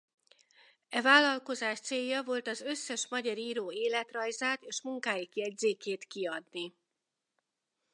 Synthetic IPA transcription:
ɛvaːlːɒlko̞zaːʃt̪seːjːɒvo̞lt̪ɒzø̞sːɛʃmɒɟɒɾiːɾoːeːlɛt̪rɒjzaːt̪eːʃmuŋkaːjikiɛɟzeːkeːt̪kiɒd̪ni

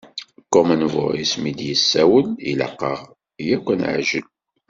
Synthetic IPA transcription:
kɔmənvʊ̰ɾismid̪jəsːæwəlḭlə̰qːəʁ | jækʷːənʕʒəl

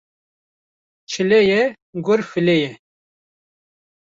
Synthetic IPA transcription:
t͡ʃʰɨlɛjɛ | ɡʊɾfɨlɛjɛ

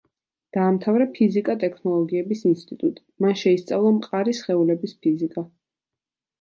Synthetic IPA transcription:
d̪̥aːmt̪ʰavɾapʰizikʼat̪ʼɛkʰnɔlˠɔɡiɛbisinst̪ʼit̪ʼut̪ʼi̥manʃɛist̪sʼavlˠamqʼaɾisχɛulɛbispʰizikʼa

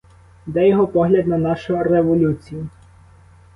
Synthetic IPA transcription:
d̪ɛjɔɦɔpɔɦlʲɐd̪nɐnɑʃʊɾeʋɔlʲut͡sʲijʊ

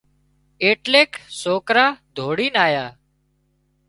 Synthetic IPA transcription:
eːʈleːksoːkɾaːd̪ʱoːɽiːnaːjaː

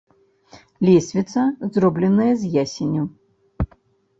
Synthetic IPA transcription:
lʲɛsʲvʲit̪sɐzrɔblʲɛnɐjɐzʲjasʲenʲu

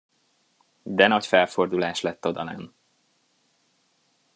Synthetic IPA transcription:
d̪ɛnɒcfɛlfo̞rd̪ulaːʃlɛt̪ːo̞d̪ɒ̰lɛ̰n

